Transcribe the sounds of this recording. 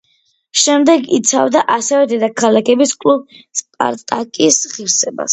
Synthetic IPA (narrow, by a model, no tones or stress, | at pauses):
ʃɛmd̪ɛɡit̪sʰa̰vd̪aʔasɛvɛd̪ɛd̪akʰalakʰɛbiskʼlub̚spʼa̰ɾt̪ʼakʼisʁiɾsɛba̰s